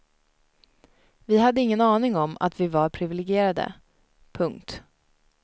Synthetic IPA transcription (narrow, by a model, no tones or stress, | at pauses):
vɪɦad̪ːəɪŋːənɑːnɪŋɔma̰t̪vɪvaɾpʰɾɪvɪlɛɡɪeːɾad̪ə̰ | pʰɵŋkt̪